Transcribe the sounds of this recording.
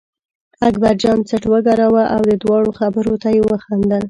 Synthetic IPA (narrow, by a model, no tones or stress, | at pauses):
aɡbaɾd͡ʒɑnt͡səʈwəɡɑɾawaʔawd̪əd̪wɑɽoxabəɾot̪ajewəxand̪əl